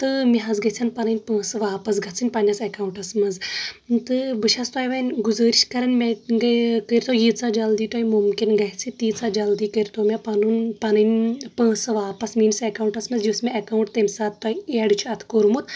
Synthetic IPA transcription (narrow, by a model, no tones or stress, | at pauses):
t̪ɨmʲiɦɐzɡɐt͡sʰʲɐnpɐnɨnʲpə̃ːsɨʋaːpɐs̬ɡʱɐt͡sʰɨnʲpɐnʲɐsɐkawɳʈɐsmɐnzt̪ɨbɨʃɐst̪aːjʋɐnʲɡuzəːɾiʃkɐɾɐnmʲeɡkəɾʲt̪ojit͡sad͡ʒɐld̪iːt̪oːimumkinɡɐɦʲt͡sʰɨt̪iːt͡sad͡ʒɐld̪iːkəɾʲt̪oːmʲapɐnunpɐnɨnʲpə̃ːsɨʋaːpɐsmiːnsekawɳʈɐsmɐzd͡ʒusmeɐkawuɳʈ̚t̪emsaːt̪t̪ːɐieɖt͡ʃʰuɐt̪ʰkoɾmut̪ʰ